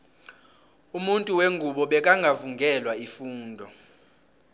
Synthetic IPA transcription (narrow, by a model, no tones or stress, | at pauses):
umuntʼuweŋɡʱuɓɔɓɛk̬ʼaŋɡʱavuŋɡɛlwaifuːndʱɔ